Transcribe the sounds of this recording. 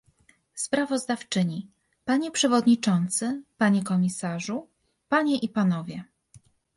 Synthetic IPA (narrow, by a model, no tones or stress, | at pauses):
spɾavɔzd̪aft͡ʂɘɲi | paɲɛpʂɛvɔd̪ɲit͡ʂɔnt̪sɘpaɲɛkɔmʲisaʐu | paɲɛʔipanɔvʲjɛ